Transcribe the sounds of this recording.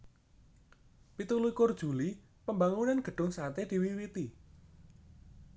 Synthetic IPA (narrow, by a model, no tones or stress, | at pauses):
pit̪uluikord̥ʒ̥ṳli | pəmbaŋunanɡ̥ə̤ɖ̥ʊ̤ŋsat̪ed̪̥i̤wiwit̪i